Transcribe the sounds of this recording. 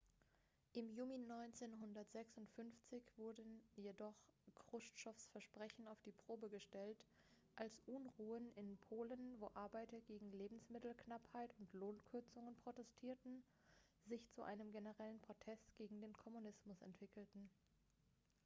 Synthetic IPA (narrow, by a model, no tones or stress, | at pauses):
ʔɪmjuːlinɔʏnt͡seːnɦʊndɐtz̥ɛksʊntfʏnft͡sɪçv̥ʊɐdnjedɔχkʁ̥ʊstʃɔfsfɛɐʃpʁ̥ɛçn̩aʊfd̥iːpʁ̥oːbəɡəʃtɛlt | ʔalsʔʊnʁuːənɪnpʰoːlənvoːʔaɐbaɪtɐɡeːɡŋ̩leːbm̩smɪtl̩knaphaɪtʊntloːnkʰʏɐt͡sʊŋənpʁ̥otɛstʰiːɐtn̩ | zɪçt͡suʔa̰ɪnəmɡenəʁɛlənpʁ̥otʰɛstɡ̥eːɡŋ̩deːnkʰɔmunɪsmʊsɛ̰ntv̥ɪkl̩tn̩